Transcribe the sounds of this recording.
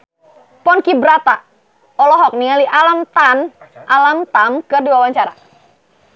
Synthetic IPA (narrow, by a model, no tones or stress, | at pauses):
pɔnkibɾat̪a | ɔlɔɦɔk̚nialiʔalamt̪anʔalamt̪amkɨrduwawaɲt͡ʃaɾa̰